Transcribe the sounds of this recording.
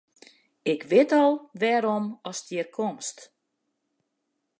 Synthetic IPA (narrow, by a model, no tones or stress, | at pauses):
ɪkʰʋɪtɔlˠʋɛːɾɔmɔstiːrkʰomst